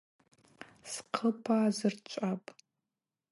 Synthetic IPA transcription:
sqʰəpʰazɨrt͡ʃʷʼapʼ

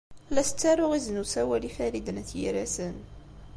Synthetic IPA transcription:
lːæsə̥t͡sːaɾʊʁiznusæwælifæɾid̪ənæθjḭɾæsən

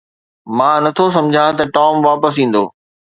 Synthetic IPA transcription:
mãːnɐt̪ʰos̬ɐ̃md͡ʑʱãt̪ɐʈɔːmʋaːpəs̬ĩːn̆d̪o̰ː

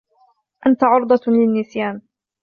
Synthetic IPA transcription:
ʔant̪aʕʊɾd̪ˤɑlɪnːɪsjaːn

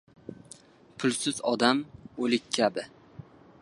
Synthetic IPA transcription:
pʰʊlˠsɪzɒd̪amolɪkʲːʰabɪ

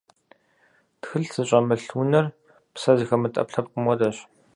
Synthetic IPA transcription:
txɨɬsɨɕʼɐmɨɬuːnɐr | psɐzɨxɐmɨtʼɐ̰pɬɐp̚qəmɔdɐɕ

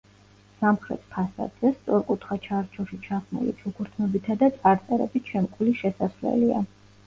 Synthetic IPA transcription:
samχɾɛ̰t̪ʰpʰasa̰d̪z̥ɛst̪sʼɔɾkʼut̪ʰχat͡ʃʰaɾt͡ʃʰɔʃit͡ʃʰaχnṵlḭt͡ʃʰukʰuɾt̪ʰnɔbit̪ʰad̪at̪sʼaɾt̪sʼɛɾɛ̰bit͡ʃʰɛmkʼʰuliʃɛsaslɛ̰lia̰

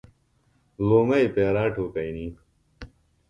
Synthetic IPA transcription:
loːmɐipeːɾaːʈʰoːkɐjniː

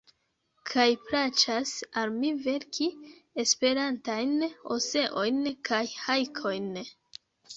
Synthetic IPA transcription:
kʰajpɾat͡ʃasalmive̞ɾkʰie̞spe̞ɾantajnose̞ʔo̞jnkʰajhajkʰo̞jn

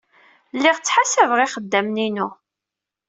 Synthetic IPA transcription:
lːiʁt͡sːħasævʁɪχəd̪ːæmninu

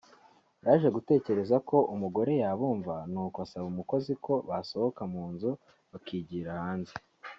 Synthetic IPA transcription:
jaːʒe̞ɡute̞ːce̞ɾe̞zako̞ʔumuɡo̞ɾe̞jaːβuːɱvanuːkwasaβumuko̞ziko̞βaso̞ho̞kamuːnzu | βakiɟiːɾahaːnze

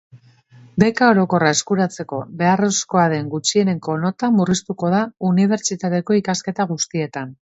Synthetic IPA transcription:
be̞kao̞ɾo̞ko̞rae̞skuɾat͡se̞ko̞βe̞aro̞sko̞aðe̞ŋɡut͡ʃie̞ne̞ŋko̞no̞t̪amurist̪uko̞ð̞auniβ̞e̞ɾt͡ʃit̪at̪e̞ko̞ikaske̞t̪aɣ̞ust̪ie̞t̪an

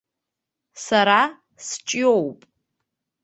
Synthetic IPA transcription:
saɾa | st͡ʃʼiowpʼ

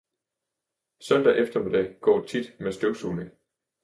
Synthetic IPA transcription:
sœn̰d̥æʔefd̥ɐmed̥ɛ̰ɡ̥ɒ̰ːt͡sʰid̥mesd̥øʊsuːneŋ

